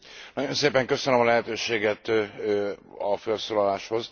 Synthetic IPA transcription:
nɒɟo̞nseːpɛŋkø̞sønømɒlɛɦɛt̪øːʃeːɡɛt̪ | ɒfɛlsoːlɒlaːʃho̞z

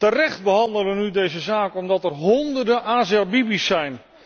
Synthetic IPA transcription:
tərɛχd̚bəɦɑndələnydejzəzaːkəɔmdɑtɛrɦɔndərdəʔaːzabibisːɛjn

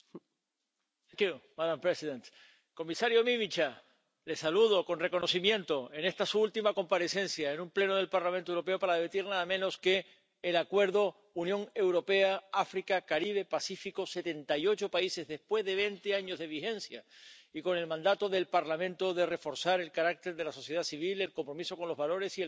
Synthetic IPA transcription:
kjumaðampɾesiðent̪ | ko̞misaɾjomimit͡ʃa | le̞saluð̞o̞ko̞nre̞ko̞no̞simjẽ̞nt̪o̞e̞ne̞st̪asuult̪imako̞mpaɾe̞se̞nsjaenũmple̞noð̞e̞lpaɾlamẽnt̪oewɾo̞p̬e̞opaɾaðeet̪iɾnaðamẽno̞ske̞ː | lakwe̞ɾðo̞ | unjõ̞ŋe̞wɾo̞pe̞aafɾikakaɾiβ̞e̞pasifiko̞se̞t̪e̞nt̪ajo̞t͡ʃo̞paise̞zðe̞spwe̞zðe̞β̞e̞nt̪eaɲo̞zðe̞β̞ixẽ̞nsja̰iko̞ne̞lmãnd̪at̪o̞ðe̞lpaɾlamẽ̞nt̪o̞ðe̞re̞fo̞ɾsaɾe̞lkaɾak̚t̪e̞ɾðe̞laso̞sje̞ðasiβ̞ile̞lko̞mpɾo̞miso̞ko̞nlo̞zβalo̞ɾe̞si

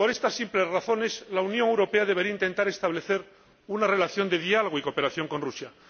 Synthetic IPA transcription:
po̞ɾe̞st̪asːimple̞zraθo̞ne̞slaunjõ̞ŋewɾo̞pe̞aðe̞β̞e̞ɾiaint̪e̞nt̪aɾe̞st̪aβle̞θe̞ɾ | unare̞laθjo̞nd̪e̞ðialoɣiko̞pe̞ɾaθjo̞ŋko̞nrusja

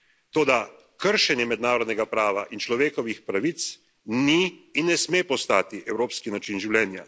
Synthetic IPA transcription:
t̪oːd̪a | kəɾʃɛnjɛmɛd̪naːɾɔd̪nɛɡapɾaːʋaʔint͡ʃlɔʋeːkɔʋixpɾaʋit̪s | niːnːɛsmeːpɔst̪aːt̪iʔɛwɾoːpskinat͡ʃinʒiwlʲɛːnja

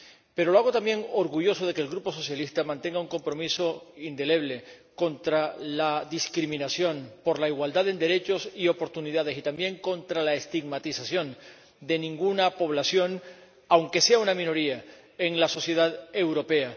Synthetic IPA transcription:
pe̞ɾolo̞aɣo̞t̪ambje̞ŋo̞ɾɣuʝo̞so̞ðe̞keːlɡɾupo̞so̞sjalist̪amãnt̪e̞ŋɡauŋko̞mpɾo̞miso̞ind̪e̞le̞β̞le̞ | ko̞nt̪ɾalaðiskɾimĩnasjo̞npo̞ɾlaiɣwald̪aðend̪e̞ɾe̞t͡ʃo̞sio̞po̞ɾt̪uniðað̞e̞sit̪ambje̞ŋko̞nt̪ɾalaest̪iɡmat̪isasjõ̞n | d̪e̞nĩŋɡunapo̞β̞lasjo̞ŋ | awŋke̞se̞aunamĩno̞ɾia | eŋlaso̞sje̞ð̞aðe̞wɾo̞pe̞a

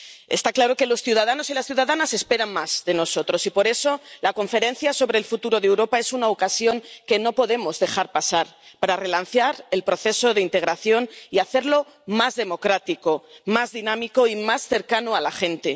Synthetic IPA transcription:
est̪aklaɾo̞ke̞lo̞sθjuðaðano̞silasθjuðaðanase̞spe̞ɾaŋmaz̥ðe̞no̞so̞t̪ɾo̞sipo̞ɾe̞so̞lako̞ɱfe̞ɾe̞n̟θjaso̞βɾeːlfut̪uɾo̞ðewɾo̞pae̞sunaokasjo̞ŋke̞no̞po̞ðe̞mo̞zðe̞xaɾpasaɾpaɾare̞lan̟θjaɾelpɾo̞θe̞so̞ðeint̪e̞ɣ̞ɾaθjo̞niaθe̞ɾlo̞ | mazðe̞mo̞kɾat̪iko̞mazðinãmiko̞imasθe̞ɾkanoalaxẽ̞nt̪e̞

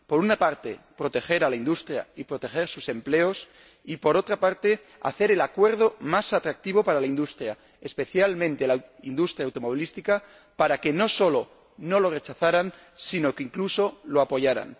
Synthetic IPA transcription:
po̞ɾunapaɾt̪e̞pɾo̞t̪e̞xe̞ɾalaind̪ust̪ɾja̰ipɾo̞t̪e̞xe̞ɾsuse̞mple̞o̞s | ipo̞ɾo̞t̪ɾapaɾt̪e̞ | a̰θe̞ɾe̞lakwe̞ɾð̞o̞masat̪ɾak̚t̪iβ̞o̞paɾalaind̪ust̪ɾja | espe̞θjalmẽnt̪e̞lawind̪ust̪ɾjawt̪o̞mo̞β̞ilist̪ika | paɾake̞no̞so̞lo̞ | no̞lo̞re̞t͡ʃaθaɾan | sino̞keiŋkluso̞loapo̞ʝaɾa̰n

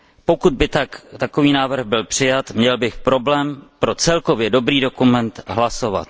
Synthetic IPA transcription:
po̞kud̪̚bɪt̪akt̪akoviːnaːvr̩ɣbɪlpr̝̥ɪjat̪mɲɛlbɪxpɾo̞blɛːmpɾo̞t͡sɛlko̞vjɛdo̞bɾiːdo̞kumɛnt̪ɦlaso̞va̰t̪

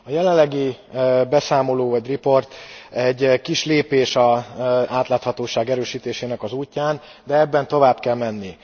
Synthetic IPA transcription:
ɒjɛlɛlːɛɡibɛsaːmo̞loːvɒɟripo̞rt̪ɛɟːkiʃleːpeːʃɒaːt̪laːt̪hɒt̪oːʃaːɡɛɾøːʃiːt̪eːʃeːnɛkɒzuːcːaːn | d̪ɛɛbːɛnt̪o̞vaːbkɛlmɛnːi

